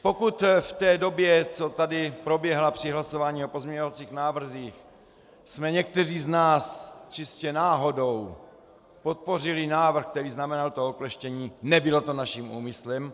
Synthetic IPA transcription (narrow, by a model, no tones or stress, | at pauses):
po̞kut̪ft̪ɛːdo̞bjɛt͡so̞t̪adɪpɾo̞bjɛɦlapr̝̥ɪɦlaso̞vaːɲiːopozmɲɛɲovat͡siːxnaːvr̩ziːx | smɛɲɛk̚t̪ɛriːznaːst͡ʃɪscɛnaːɦo̞do̞w | po̞t̪̚po̞rɪlɪnaːvr̩xk̚t̪ɛɾiːznamɛnalt̪ooklɛʃcɛɲiːnɛbɪlo̞t̪o̞naʃiːmuːmɪslɛm